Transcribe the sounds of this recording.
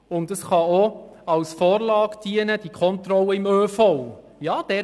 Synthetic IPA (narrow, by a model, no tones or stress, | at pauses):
ʊntdɑsχɑo | ɑwsfoːɾlɑːɡd̥iənəd̥ikʰɔntɾɔləɪmøːfɔw | jɑːd̥ɛ